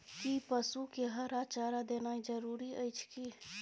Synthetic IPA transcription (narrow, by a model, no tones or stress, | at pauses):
kipəsukeɦəɾat͡ʃaːɾad̪eːnaːid͡ʒəɾuːɾiəjt͡ʃʰki